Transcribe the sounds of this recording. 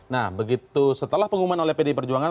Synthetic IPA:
nahbəɡit̪usət̪əlahpəŋumanolɛhpedepərd͡ʒuaŋa

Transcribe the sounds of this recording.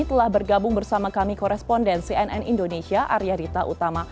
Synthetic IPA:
it̪əlahbərɡabʊŋbərsamakamikɔɾɛspɔndɛnsiɛnɛ̰nindonesiaʔa̰ɾiaɾit̪aʔut̪ama

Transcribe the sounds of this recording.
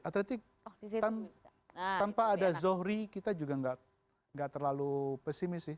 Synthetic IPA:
at̪let̪ɪk̚ | t̪an | t̪anpaːdazohɾikit̪ad͡ʒuɡaŋɡaʔ | ŋɡaʔt̪ərlalupɛsimɪsɪh

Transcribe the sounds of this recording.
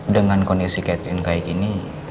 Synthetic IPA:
dəŋankɔndisikɛt̪ɾinkajikini

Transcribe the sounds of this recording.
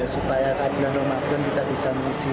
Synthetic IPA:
asupajakad̥lanləmaɡɔnkit̪aʔb̥isaməŋisi

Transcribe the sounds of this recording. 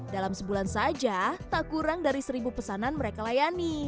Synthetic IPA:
dalamsəbulansad͡ʒat̪aʔkuɾaŋdaɾisəɾibupəsananməɾekalajani

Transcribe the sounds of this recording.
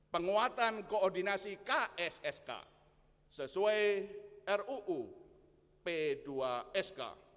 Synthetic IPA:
pəŋuat̪ankoɔrd̪inasikaʔɛsɛska̰ | səsuaeɛruʔu | ped̥uaɛska̰

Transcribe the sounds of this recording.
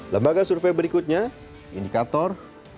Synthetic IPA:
ləmbaɡasurfebəɾikut̪̚ɲa | indikat̪ɔr

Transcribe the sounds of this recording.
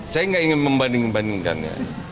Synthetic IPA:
sajaŋɡaʔiŋɪnməmbandɪŋbandɪŋka̰nja̰

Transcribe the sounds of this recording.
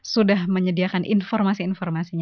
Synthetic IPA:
sudahməɲədiakanʔḭnfɔrmasiːnfɔrmasiɲa

